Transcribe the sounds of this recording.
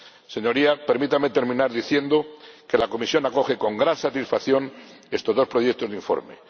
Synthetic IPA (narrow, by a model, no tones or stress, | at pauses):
se̞ɲo̞ɾiape̞ɾmit̪amet̪e̞ɾmĩnaɾðiθje̞nd̪o̞ke̞lako̞misjo̞nako̞xe̞ko̞ŋɡɾansat̪isfaθjo̞n | e̞st̪o̞zðo̞spɾo̞ʝek̚t̪o̞zðiɱfo̰ɾme̞̰